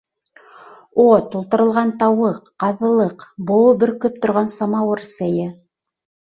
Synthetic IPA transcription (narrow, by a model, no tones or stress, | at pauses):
ot̪ulˠt̪ɤ̆ɾɤ̆lˠʁɑnt̪ɑwɤqːɑðɤ̆lˠɤqbŏwɤbɘɾkɵp̚t̪ŏɾʁɑnsɑmɑwɤɾsæjɘ